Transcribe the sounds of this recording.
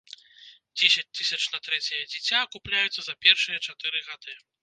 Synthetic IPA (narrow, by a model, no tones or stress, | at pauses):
d͡zʲesʲɐt͡sʲt̪ɨsʲɐt͡ʂnɐt̪ɾɛt͡sʲɐjɐd͡zʲit͡sʲakuplʲajut̪sːɐzɐpʲɛrʂɨjɐt͡ʂat̪ɨɾɨɣad̪ɨ